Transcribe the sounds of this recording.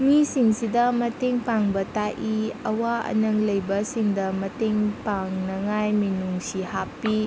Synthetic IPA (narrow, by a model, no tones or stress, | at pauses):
misiŋsidɐmɐteŋpaŋbɐtaʔiɐwaɐ̰nɐŋlɐjbɐsiŋdɐmɐteŋpaŋnɐŋajminuŋsihappːi